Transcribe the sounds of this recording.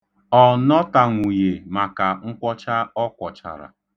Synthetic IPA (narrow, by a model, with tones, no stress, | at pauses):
ɔ˨nɔ˦ta˨ŋʷu˨je˨ma˨ka˨ŋ̩˦kʷɔ˦t͡ʃa˦ɔ˦kʷɔ˨t͡ʃa̰˨ɾa̰˨